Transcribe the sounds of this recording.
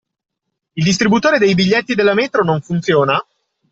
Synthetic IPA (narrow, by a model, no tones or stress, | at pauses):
ild̪ist̪ɾibut̪oːɾed̪ejbiʎːɛt̪ːid̪elːamɛːt̪ɾonoɱfunt̪sjoːna